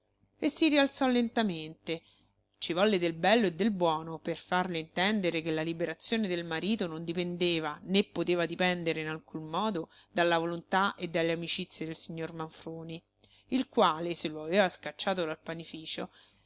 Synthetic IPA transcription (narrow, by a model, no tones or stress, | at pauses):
esːiɾialt̪sɔlːent̪ament̪e | t͡ʃivɔlːed̪elbɛlːoed̪ːelbwɔːnoperfarleint̪ɛnd̪eɾekelːalibeɾat̪sːjoːned̪elmaɾiːt̪onond̪ipend̪eːvanepːot̪eːvad̪ipɛnd̪eɾeinalkunmɔːd̪od̪alːavolont̪aʔed̪ːalːeamit͡ʃit̪sːjed̪elsiɲːormaɱfɾoːni | ilkwaːleselːoaveːvaskat͡ʃːaːt̪̬od̪alpanifiːt͡ʃo